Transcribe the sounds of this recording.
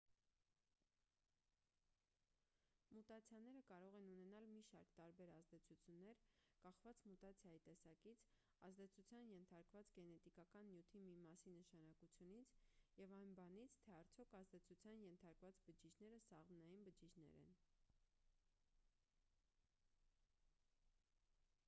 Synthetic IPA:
mut̪ɑt͡sʰjɑnɛɾəkɑɾɔʁɛnunɛnɑlmiʃɑɾkt̪ɑɾbɛɾɑzd̪ɛt͡sʰut͡sʰjunːɛɾkɑχvɑt͡smut̪ɑt͡sʰjɑjit̪ɛsɑkit͡sʰ | ɑzd̪ɛt͡sʰut͡sʰjɑnjɛnt̪ʰɑɾkvɑt͡sɡɛnɛt̪ikɑkɑnːjut̪ʰimimɑsinəʃɑnɑkut͡sʰjunit͡sʰjɛvɑjnbɑnit͡sʰt̪ʰɛɑɾt͡sʰjɔkʰɑzd̪ɛt͡sʰut͡sʰjɑnjɛnt̪ʰɑɾkvɑt͡sbəd͡ʒit͡ʃʰnɛɾəsɑʁmnɑjinbəd͡ʒit͡ʃʰnɛ̰ɾɛ̰n

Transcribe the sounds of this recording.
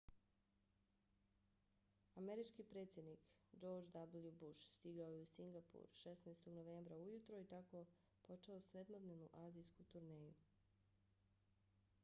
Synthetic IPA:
ameɾit͡ʃkipɾe̞ːt̪sjed̪nikd͡ʒo̞ːɾd͡ʒd̪abljubuʃst̪iɡaojeusiŋɡapṵɾʃesnast̪o̞ɡnoʋe̞ːmbɾaujut̪ɾoit̪ako̞ | po̞t͡ʃeosɾed̪mod̪nenuʔaːzijskut̪uɾneːju

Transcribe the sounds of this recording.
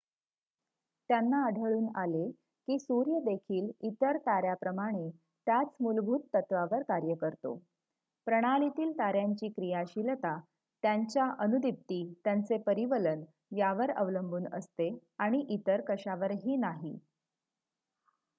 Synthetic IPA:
t̪janːaəɽʱəɭuːna̰le | kiːsuɾjəd̪ekʰiːlit̪əɾt̪aɾjapɾəmaɽ̃e | t̪jat͡smulbʱuːt̪ːət̪ʋaʋəɾkaɾjəkəɾt̪o̰ | pɾəɽ̃alit̪iːlt̪aɾjaɲt͡ɕiːkɾijaɕilt̪a | t̪jaɲt͡ɕjaʔənud̪ip̚t̪iːt̪jant͡sepəɾiʋələn | jaʋəɾə̰ʋləmbʱuːnə̰st̪eaɽ̃iʔit̪əɾkəɕaʋəɾɦiːnaɦḭ

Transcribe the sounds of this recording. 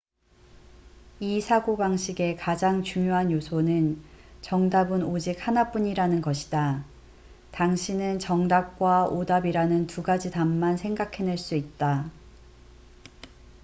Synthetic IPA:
isʰaɡobaŋɕʰiɡe̞kad͡ʑaŋt͡ɕuŋjoɦanjosʰonɯnt͡ɕʌŋdabɯnod͡ʑik̚hanap͈uɲiɾanɯnɡʌɕʰi̥da | taŋɕʰinɯnt͡ɕʌŋdap̚k͈waodabiɾanɯntuɡad͡ʑidamːansʰe̞ŋɡakʰe̞neɭs͈uit̚t͈a

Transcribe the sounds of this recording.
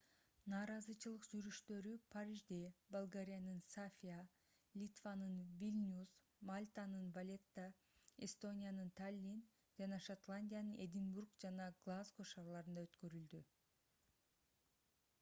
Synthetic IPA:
nɑːɾɑzɯt͡ʃɯlˠɯqd͡ʒyɾyʃt̪ø̞ɾypʰaɾʲiʒd̪ebolˠɡaɾʲijanɯnsafʲija | lʲit̪vanɯnvʲilʲnʲus | malʲt̪anɯnbalʲe̞t̪ːa | est̪o̞nʲijanɯnt̪ʰalʲːin | d͡ʒɑnɑʃat̪lˠanʲdʲijanɯnʔed̪ʲiŋburkd͡ʒɑnɑɡlˠazɡoʃɑːɾlˠɑɾɯnd̪ɑøt̪kø̞ɾyld̪y

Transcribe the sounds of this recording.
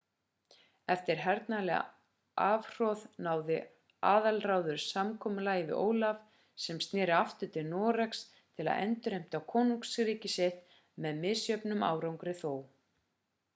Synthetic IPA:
ɛft̪ɪɾ̥ɦɛɾt̪nalɛɣa̰ | aːvr̥ɔðnaːwðɪ | aːðalraːwðʏɾ̥samkʰɔːmʏlaːjɪvɪ̰ʔo̰ːwlav | sɛmst̪nɪːɾɪaft̪ʏt̪ʰɪlnɔːɾaks | t̪ʰɪla̰ðɛ̰nt̪ʏɾejm̥t̪awkʰoːnuŋksɾiːcɪsjɛht̪ | mɛðmɪðsjœpnʏma̰ːwɾawŋkɾɪθoːw

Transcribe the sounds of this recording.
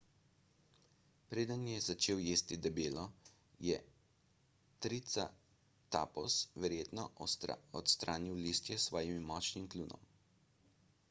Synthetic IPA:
pɾeːd̪ənjɛzat͡ʃeːwjeːst̪id̪ɛbeːlɔ | jɛ | t̪ɾit̪sa̰ | t̪a̰pɔsʋɛɾjeːt̪nɔɔt̪st̪ɾʔaːniwlist̪jɛsʋɔːjimmːɔːt͡ʃnimkluːnʔɔ̰m

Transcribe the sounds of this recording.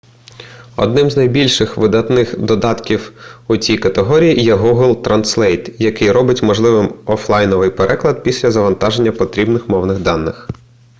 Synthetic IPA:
ɔ̰d̪nɪmznɐjbʲilʲʃɪxʋɪd̪ɐt̪nɪxd̪ɔd̪ɑt̪kʲiwut͡sʲijkɐt̪eɦɔɾʲijijɛɦuɦlˠt̪ɾɐnslˠɛjt̪jɐkɪjɾɔbɪtʲmɔʒlˠɪʋɪmɔflˠɑjnɔʋɪjpeɾʔɛklˠɐd̪̚pʲisʲlʲɐzɐʋɐnt̪ɑʒenʲːɐpɔt̪ɾʲibnɪxmɔwnɪɣd̪ɑnːɪx

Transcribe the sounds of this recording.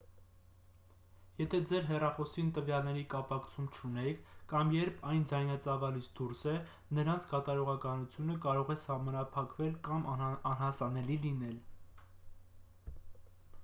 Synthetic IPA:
jɛt̪ʰɛd͡zɛɾɦɛrɑχɔsint̪əvjɑlnɛɾikɑpɑkt͡sʰumt͡ʃʰunɛkʰkɑmjɛɾpʰɑjnd͡zɑjnɑt͡sɑvɑlit͡sʰd̪uɾsɛ | nəɾɑnt͡sʰkɑt̪ɑɾɔʁɑkɑnut͡sʰjunəkɑɾɔʁɛsɑhmɑnɑpʰɑkvɛlkɑmɑnɦɑsɑnɛlilinɛl

